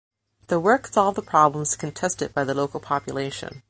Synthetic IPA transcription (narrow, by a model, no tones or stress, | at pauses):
ðəwɜ˞ksɑlˠvðəpʰɹ̥ɑblə̃m̩z̥kʰɨ̃n̩tʰɛstɨd̚b̥aɪðəloʊkl̩ˠpʰɑpjɨleɪʃɨ̰̃n